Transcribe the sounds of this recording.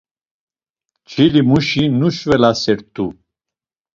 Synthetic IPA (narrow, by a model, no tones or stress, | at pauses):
t͡ʃʰilimuʃinuʃvɛlasɛɾt̪ʰu